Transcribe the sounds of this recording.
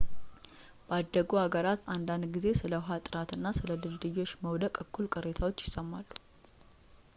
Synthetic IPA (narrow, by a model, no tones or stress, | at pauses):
b̥əad̪ːəɡuhaɡəɾat̪and̪and̪ɡize̞sɨləɦat̪ʼɨɾat̪ɨnːasɨləlɨld̪ɨjːo̞t͡ʃːməwd̪əkʼəkʰːulkʼɨɾe̞t̪ʰawo̞t͡ʃːjɪsəmːalːu̥